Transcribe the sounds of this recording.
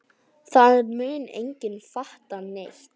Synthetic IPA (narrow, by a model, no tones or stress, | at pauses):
θaðɛɾmʏːnḛjɲcɪnfaht̪anejht̪